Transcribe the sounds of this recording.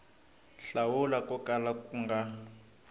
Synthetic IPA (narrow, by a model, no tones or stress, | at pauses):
ɬawulakɔkalakuŋɡa